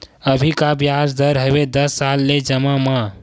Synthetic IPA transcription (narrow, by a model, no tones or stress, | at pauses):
əbʱikabjad͡ʒd̪əɾɦebed̪əsːalːed͡ʒəmamã